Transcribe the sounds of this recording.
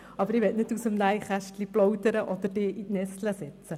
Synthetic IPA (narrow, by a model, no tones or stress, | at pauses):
ɑbəɾɪʋɛtnɪtusəmnæjχæʃtliplɔwt̪əɾəʔɔd̪əɾd̥eːʔitnɛstləsɪt͡sə